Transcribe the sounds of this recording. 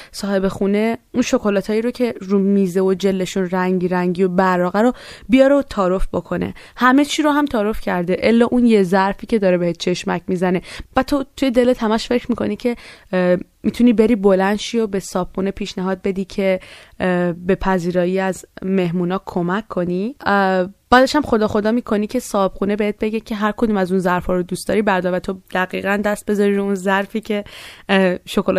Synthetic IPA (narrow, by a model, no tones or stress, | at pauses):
sɒːhe̞be̞xune̞unʃo̞kʰo̞lɒt̪ʰɒːjiɾocʰe̞ɾumiːzeod͡ʒelːe̞ʃunræŋɟiɾæŋɟiobæɾɒːɣæɾobijɒɾeot̪ʰɒːɾo̞fbo̞kʰo̞nḛ | hæme̞t͡ʃʰiːɾoɦæmt̪ʰɒːɾo̞fcʰæɾd̪eʔelːɒːʔunjezæɾfiːcʰe̞d̪ɒːɾebehet̪̚t͡ʃʰe̞ʃmæ̰cmiːzæne̞væt̪ʰot̪ʰujed̪e̞let̪hæmæʃfe̞cʰɾmikʰo̞̰nicʰe̞ | mit̪ʰunibe̞ɾiːbo̞lænd̪ʃiːobe̞sɒːb̥xune̞pʰiːʃnæɦɒːd̪̚be̞d̪iːcʰe̞ | be̞pʰæziːɾɒːjiːæzme̞ɦmuːnɒːkʰo̞mækʰːo̞ni | b̥æːd̪eʃæmxo̞d̪ɒːxo̞d̪ɒːmiːkʰo̞niːcʰe̞sɒːb̥xunebehet̪̚b̥e̞ɟecʰeɦæɾkʰod̪uːmæzunzæɾfɒːɾod̪uːst̪ɒ̰ːɾibæɾd̪ɒɾvæt̪ʰod̪̥æɣiːɣænd̪æst̪̚be̞zɒɾiɾounzæɾfiːcʰe̞ | ʃokol